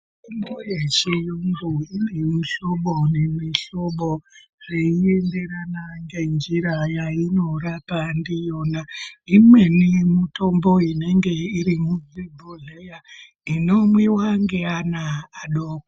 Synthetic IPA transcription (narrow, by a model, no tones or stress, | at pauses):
indojet͡ʃijuŋɡuinimuɬo̞ɓonemiɬoɓo | ʐ̥eiende̞ɾanaŋɡe̞nd͡ʒiɾajaino̞rapandijo̞naimwe̞nimutʰo̞mbo̞ine̞ŋɡe̞iɾimuvibʱoɮeja | ino̞mwiwaŋɡeanaːɗoːko